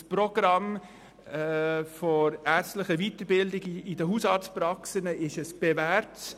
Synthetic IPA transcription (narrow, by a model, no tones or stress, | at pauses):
spɾɔɡ̥ɾɑm | fɔɾæːɾt͡stləχəvitəɾbɪldɪɡidəɦuːsɑt͡spɾɑksənəɪʃɛsb̥ɛvæɾt